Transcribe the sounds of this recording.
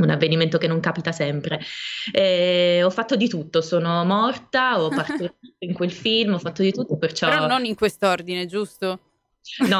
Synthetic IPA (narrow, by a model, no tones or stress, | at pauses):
unavːeniment̪okenːoŋkaːpit̪asɛmpɾeɛɔfːat̪ːod̪it̪ut̪ːosoːnomɔrt̪aɔppːart̪oɾit̪oiŋkwelfilmɔfːat̪ːod̪it̪ut̪ːopert͡ʃɔɾɔnːoniŋkwest̪oord̪ined͡ʒust̪o | nɔ